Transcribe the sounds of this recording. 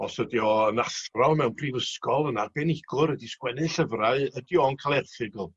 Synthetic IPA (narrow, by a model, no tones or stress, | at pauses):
ɔsədjɔənasrɔlˠmɛwnpʰrivəskɔlˠənarbɛnɪɡ̥ʊɾədiskwɛnɨɬəvraɨədjɔnkʰalˠɛrθɨɡlˠ